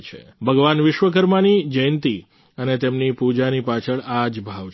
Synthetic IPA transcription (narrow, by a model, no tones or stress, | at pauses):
t͡ʃʰḛbʱəɡʋanʋɪʃʋək̬əɾmanid͡ʒəjənt̪i | ənet̪emnipud͡ʒanipat͡ʃʰəɭad͡ʒbʱaʋ